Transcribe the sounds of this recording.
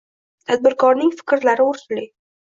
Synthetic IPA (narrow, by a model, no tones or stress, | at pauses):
t̪ʰad̪̚bɪɾkʰɒɾnɪŋfɪ̥kʲɾlaɾɪʊɾsɪlɪ